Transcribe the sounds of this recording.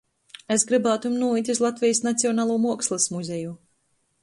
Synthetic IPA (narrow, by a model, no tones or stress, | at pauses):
esɡɾɨbaːt̪umnuɔit̪ʲizlˠat̪vʲɛjsnat̪siɔnaːlˠuːmuɔkslˠɨsmuzʲɛju